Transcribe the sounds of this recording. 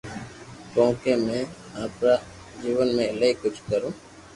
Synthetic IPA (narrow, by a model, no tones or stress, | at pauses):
kõːkeːmẽː | aːpɾaː | d͡ʒiːʋənmẽːɪləikʊt͡ʃʰkəɾũː